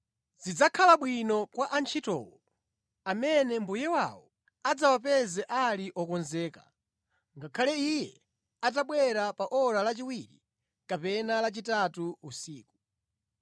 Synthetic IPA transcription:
zid͡zakʰalaɓwinɔkwaʔant͡ʃʰitɔ̰ːwɔ | amɛnɛmbujɛwawɔ | ad͡zawapɛzɛʔaliʔɔkɔnzɛːka̰ | ŋɡakʰalɛijɛ | at̬aɓwɛɾapaʔɔɾalat͡ʃiwiɾḭ | kapɛnalat͡ʃitatuusiːku̥

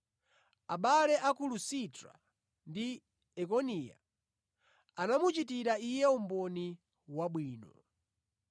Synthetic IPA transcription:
aɓalɛʔakulusitɾa̰ | ndi | ɛkɔnija̰ | anamut͡ʃit̬iɾaijɛum̩bɔni | waɓwiːnɔ

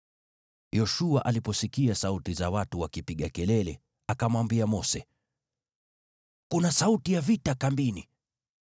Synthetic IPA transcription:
jɔʃuaʔalipɔsikiasautizawatuwakipiɠakɛlɛlɛ | akamwambiamɔsɛ | kunasautijavitakambini

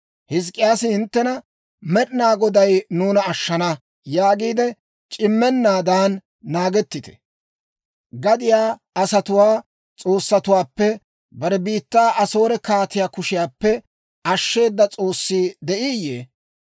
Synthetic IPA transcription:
hɪs̬kʼːɪjaːsɪhɪnt̪ːɛnɐ | mɛɗɪnaːɡɔd̪ɐjnuːnɐːʃːɐnɐ | jaːɡiːd̪ɛ | t͡ʃʼɪmːɛnːaːd̪aːnː | aːɡɛt̪ːɪt̪ɛ̥̰ | ɡɐd̪ɪjaː | ɐsɐt̪ʊwaː | t͡sʼo̞ːsːɐt̪ʊwaːpːɛ | bɐɾɛbiːt̪ːaːʔɐso̞ːɾɛkaːt̪ɪjaːkʊʃɪjaːpːɛ | ɐʃːe̞ːd̪ːɐt͡sʼo̞ːsːiːd̪ɛʔɪjːe

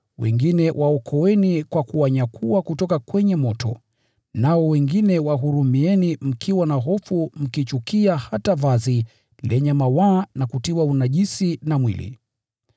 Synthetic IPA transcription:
wɛ̰ŋɡinɛwʔaɔkʰɔwɛnikwakuwaɲakʰuwakutɔkakwɛɲɛmɔtɔ̰ | naɔwɛŋɡinɛwaɦuɾumiɛnim̩kʰiwanaɦɔfum̩kit͡ʃukiahatavazi | lɛɲamawanakutiwaunaʄisinamwḭlḭ

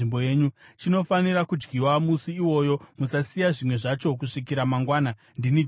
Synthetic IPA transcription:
imbojeːɲut͡ʃino̞faniɾakud͡ʒɡiwamusiːwo̞jo̞musasijaʐimwe̞ʐat͡ʃo̞kuʂik̬iɾamaŋɡwaːna | ndini

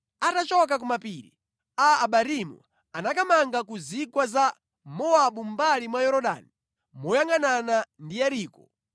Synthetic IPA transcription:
atat͡ʃɔk̬ak̬umapiːɾḭ | aːɓaɾimṵ | anakamaŋɡakuzikwaza | mɔaɓum̩balimwajɔɾɔɗa̰ni | mɔjaŋɡananandijaɾiːkɔ

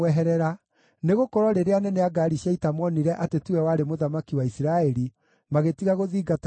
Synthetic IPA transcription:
ɛɦɛɾɛɾa | neɣokɔɾwɔɾeɾeanɛneaɡaɾiɕaitamɔniɾɛʔatetuɛwaɾemoðamakiwaisiɾaɛɾi | maɣetiɣaɣoðiːɡat

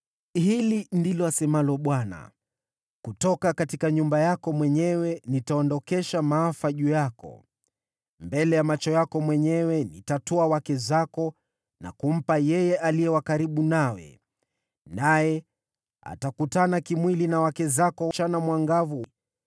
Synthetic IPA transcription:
hilindilɔasɛmalɔɓwana̰ | kutɔkakatikaɲumbajakɔmwɛɲɛwɛnitaɔndɔkɛʃamaafaʄujakɔ̰ | mbɛlɛjamat͡ʃɔjakɔmwɛɲɛwɛnḭtatɔawakɛzakɔ | na̰kum̩pajɛjɛʔalijɛwakaɾiɓunawɛ̰ | najɛ | a̰takutanakimwilinawakɛzakɔt͡ʃanamwaŋɡavu

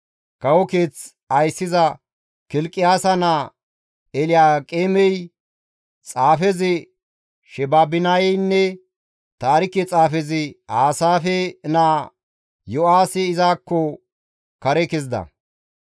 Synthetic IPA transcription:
kɐwɔkeːt͡s | ɐjsːɪzɐ | kɪlkʼːɪjaːsɐnaː | ɛlɪjaːkʼeːmɛj | t͡sʼaːfɛzɪ | ʃɛbaːbɪnajnːɛ | t̪aːɾɪkːɛt͡sʼaːfɛzɪaːsaːfɛnaː | jɔaːsɪɪzaːkːɔ | kɐɾɛkɛzd̪ɐ̰

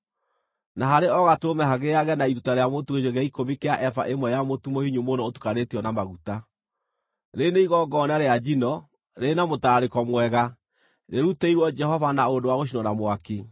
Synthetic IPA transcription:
naɦaɾeɔɣatoɾomɛɦaɣeaɣɛnaiɾutaɾeamotuɣejɔɣɛikomikeaʔɛfa̰ʔemwɛjamotumohiɲumonɔotu̥kaɾetiɔnamaɣuta | ɾeneiɣɔɡɔnaɾead͡ʒinɔ | ɾenamotaɾaɾekɔmwɛɣa | ɾeɾuteiɾwɔd͡ʒɛhɔvanaondowaɣoʃ̬inwɔnamwaki

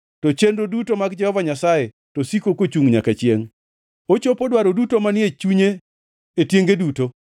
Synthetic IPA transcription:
tot͡ʃendodutomaɡd͡ʒɛhɔvaɲasaje | tosikokot͡ʃuŋɲakat͡ʃɪeŋ | ot͡ʃopodwaɾodutomanɪet͡ʃuɲeː | tjeŋɡeduto

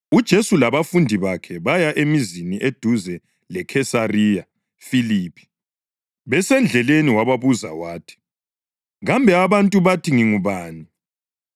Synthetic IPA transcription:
ud̥ʒ̥ʱesulaβafundʱiβakʰɛβajaʔemiziniʔed̥ʱuzɛ | lɛkʰɛsarija | filiːpʰi̥ | βɛsɛnd͡ɮʱɛleniwaβaβuza̰waːtʰi̥ | ɣambʱɛaβantʼuβatʰiŋiŋuβaːni

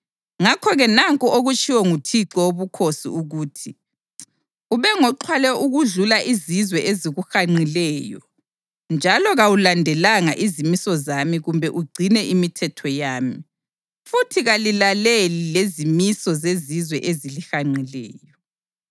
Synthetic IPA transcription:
ŋakʰɔɣɛnaŋkʼɔoɣut͡ʃʰʼiwɛŋutʰiǁɔoβukʰosḭuɣuːtʰi | uβɛŋɔǃʰwalɛuɣuɮulaʔizizwɛʔeziɣuxaŋ͡ǀilɛːjɔ | nd͡ʒʱalɔɣawulandʱɛlaŋaʔizimisɔzamiɣumbʱɛʔuɡ͡ǀʱinɛʔimitʰɛtʰɔjaːmi | futʰiɣalilalelilezimisɔzezizwɛʔezilixaŋ͡ǀilɛ̰ːjɔ

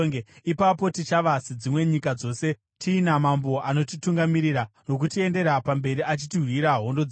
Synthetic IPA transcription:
eipapo̞tit͡ʃaʋasid͡zimwe̞ɲikad͡zo̞ːse̞ | tʰiːnamambo̞ʔano̞tituŋɡamiɾiɾano̞k̬utie̞nde̞ɾapambe̞ɾiat͡ʃitiɦwiɾaɦo̞ndo̞d͡z

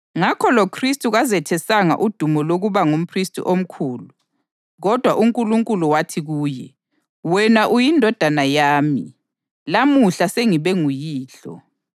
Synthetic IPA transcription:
ŋakʰɔlɔkʰristʼuɣazɛtʰɛsaŋa̰ʔud̥ʱumɔloɣuβaŋum̩pʰristʼṵʔom̩kʰuːlu | ɣɔd̥ʱwaʔuŋkʼuluŋkʼuluwatʰiɣuːjɛ̰ | wɛnaʔujindʱɔd̥ʱanajaːmi | lamuɬaseŋiβɛŋujiːɬɔ̰

